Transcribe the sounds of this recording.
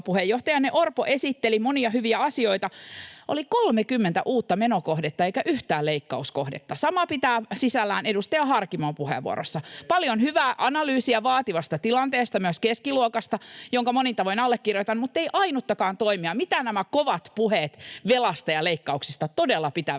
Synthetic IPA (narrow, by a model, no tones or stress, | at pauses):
puhejːoht̪ɑjɑnneʔorpoʔesit̪ːelimoniɑhyʋiæɑsioit̪ɑʔo̰likolmekymːent̪æ̰ʔuːt̪ːɑmenokohdet̪ːɑeikæʔyht̪æːlleikːɑuskohdḛt̪ːɑsɑmɑpit̪æːsisælːæːnedust̪ɑjɑhɑrkimoːmpuhḛʋuo̰ɾosːɑpɑljonhyʋæːʔɑnɑlyːsiæʋɑːt̪iʋɑst̪ɑt̪ilɑnt̪eːst̪ɑmyøskeskiluokɑst̪ɑjoŋkɑmonint̪ɑʋoinɑlːekːirjot̪ɑnmut̪ːeiʔɑinut̪ːɑkɑːnt̪oimiɑmit̪ænæmækoʋɑt̪puhet̪ʋelɑst̪ɑjɑleikːɑuksist̪ɑt̪odelːɑpit̪æ